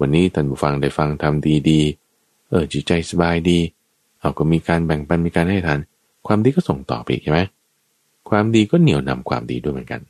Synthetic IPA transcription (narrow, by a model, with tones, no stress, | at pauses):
wa˧nːiː˦˥t̪ʰaː˥˩nbuː˧˩fa˧ŋda˧˩jfa˧ŋt̪ʰa˧mdiː˧diː˧ | ʔɤː˧˩t͡ɕʰi˨˦t͡ɕa˧jsa˧baː˧jdiː˧ | ʔa˧˩kɔː˥˩miː˧kaː˧nbɛ˨˩ŋpa˧nmiː˧kaː˧nha˥˩t̪ʰaː˨˦n | kʰwaː˧mdiː˧kɔː˥˩so˨˩ŋt̪ɔ̰ː˨˩pa˧ʔḭ˨˩k̚t͡ɕʰma˦˥j | kʰwaː˧mdiː˧kɔː˥˩ni˨˩˦wna̰˧mkʰwa̰ː˧mdḭː˧du˥˩jmɯ˩˦ŋka̰˧n